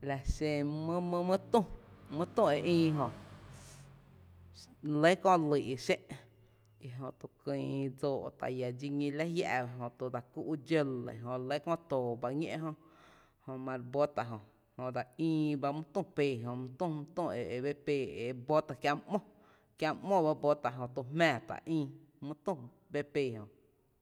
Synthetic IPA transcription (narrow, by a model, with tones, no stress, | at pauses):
la˨ʃẽ˧mɨ̃˦mɨ̃˧mɨ̃˦t̪ũ˦˨mɨ̃˦t̪ũ˦˨e˨ʔĩː˧ɦõ˧ | le˦kɔ̃˦li˨ʔʃe˦ʔ | i˧ɦõ˧t̪u˧kĩː˧˨˧d͡zoː˧˨ʔt̪a̰˨ja˨d͡ʒi˧ŋĩ˧la˦ja̰˧˨˧ɦõ˧˨t̪u˧d̪a˨ku˧ʔd͡ʒə˦lḛ˨ɦõ˧le˦kɔ̃˦˧t̪oː˨ba˧ŋḛ̃˦˧ʔɦõ˧ | hõ˧˨mã˧ɾbo˦t̪a˧ɦõ˨ | hõ˧ʔd̪a˨ĩː˧ba˧mũ˦t̪ũ˦˧˨peː˧˨ɦõ˨mũ˧t̪ũ˦˧˨mũ˧˦t̪ũ˦˧˨e˨βe˦peː˧˨e˨bo˦t̪a˧kjã˧m˦ʔmɔ̃˦ | kjã˧ʔmõ˦˨ba˧bo˦t̪a˧ɦõ˧t̪u˧mmɛ̃ː˧˨t̪a̰˨ʔĩː˧ | mũ˦t̪ũ˦˧˨ | be˦peː˧˨ɦõ˨